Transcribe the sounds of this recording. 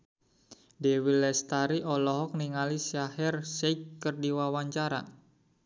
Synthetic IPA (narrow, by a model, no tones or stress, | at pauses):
dewilɛst̪aɾiʔɔlɔɦɔk̚niŋalisahɛrsɛjkːərdiwawaɲt͡ʃaɾa̰